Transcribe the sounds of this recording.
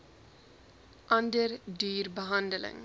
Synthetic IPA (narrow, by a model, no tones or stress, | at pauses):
ʔɐndərdyːrbəɦɐndələ̰ŋ